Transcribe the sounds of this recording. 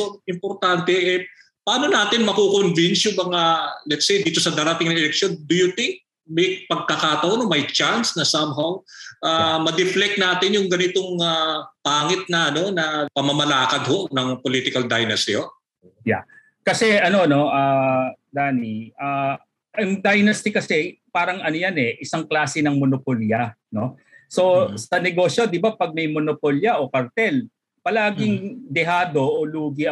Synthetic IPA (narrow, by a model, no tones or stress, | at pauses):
oɪmpoɾt̪ant̪ɛʔɛ | pɐʔaːno̞naːt̪ɪnmɐkokonvinsjʊmɐŋalɛt̪sejd̪iːt̪o̞sɐd̪aːɾɐt̪ɪŋnɐɛlɛk̚ʃo̞nd̪ʊjʊt̪ɪŋk̚ | mɐj̚pɐɡ̚kɐkaːt̪ɐʔonomɐjt͡ʃansnɐsɐmɦawʔamɐd̪ɪflɛk̚naːt̪ɪnjʊŋɡɐnɪt̪oŋapaːŋɪt̪̚nɐɐno̞nɐpɐmɐmɐlaːkɐd̪̚ho̞ʔnɐŋpoliːt̪ɪkɐld̪ajnɐst̪ɪo | ja̰ | kɐsɛʔɐno̞no̞ʔaːd̪aːniʔaː | ʊŋd̪ɐjnɐst̪ɪkɐsɛpaːɾɐŋɐnojanɛʔɪsaŋklaːsɛnɐŋmonopoljɐ | no̞ | so̞sɐnɛɡo̞ːsjo̞d̪ɪbapɐɡ̚mɐjmonopoljɐʔo̞kɐɾt̪ɛl | pɐlaːɡɪŋd̪ɛɦaːd̪o̞ʔoluːɡɪ